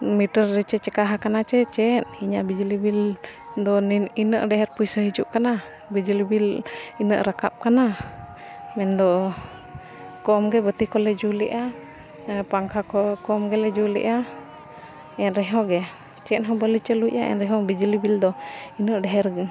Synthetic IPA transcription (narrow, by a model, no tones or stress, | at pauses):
miʈəɾːɛt͡ʃɛt͡ʃɛkaɦakanat͡ʃɛt͡ʃɛt̪̚hiɲabid͡ʒilibil | d̪ɔinəʔɖɛɦɛɾpujsəɦid͡ʒuʔkana | bid͡ʒilibilinəʔɾakap̚kana | mɛnd̪ɔ | kɔmɡɛbət̪ikɔlɛd͡ʒuliʔa | paŋkʰakɔkɔmɡɛlɛd͡ʒulḭʔa | ɛnɾɛɦɔɡɛ | t͡ʃɛt̪̚ɦɔbəlit͡ʃəluʔa̰ʔɛ̰nɾɛɦɔbid͡ʒilibild̪ɔinəʔɖɛɦɛɾ